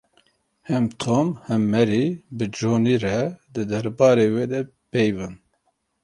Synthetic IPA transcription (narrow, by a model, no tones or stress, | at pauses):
hɛmt̪ʰomhɛmːɛɾibɨd͡ʒoːniːɾɛd̪ɨd̪ɛɾbɑːɾeweːd̪ɛ | pɛjvɨn